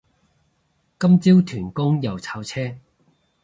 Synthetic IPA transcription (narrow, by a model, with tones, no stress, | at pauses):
kɐ˥mt͡siː˥wt̪ʰyː˨˩nkʊ˥ŋjɐ˨wt͡sʰaː˧wt͡sʰɛː˥